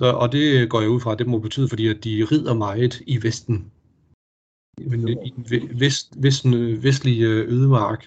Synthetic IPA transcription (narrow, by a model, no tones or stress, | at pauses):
sɒ̽ʔɒ̽d̥e̝ɡ̥ɒ̰ːjauð̰ˠfʁɑ̈d̥e̝mɒb̥e̝̥t͡sʰy̰ːðˠəfɒ̽dḭːæd̥iʁið̰ˠɐmɑ̈ɪð̩ˠiʋesd̥n̩ | eid̥ʋesʋesd̥n̩ʋes̬d̥liøːðˠəmɑ̈ːɡ̥